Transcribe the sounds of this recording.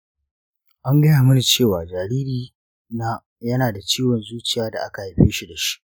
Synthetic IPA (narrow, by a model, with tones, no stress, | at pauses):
ʔa˦ŋɡɐ˦jaː˨mʊ˦ni˨t͡ʃeː˦˨waː˨d͡ʒaː˨ɾiː˦ɾiː˨ | naː˦ | jɐ˦naː˨da˨t͡ʃiː˦wɔ˨nzuː˦t͡ʃɪ˨jaː˦da̰˨ʔa̰˦ka˨ha˨ɸeː˦ʃi˨da˨ʃi̥˦ʔ